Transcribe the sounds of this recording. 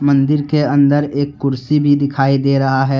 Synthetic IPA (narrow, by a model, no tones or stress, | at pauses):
mɐ̃nd̪ɪɾkeɐ̃nd̪əɾeːkːʊɾsibʱid̪ɪkʰaːid̪eːɾɐɦaɦɛː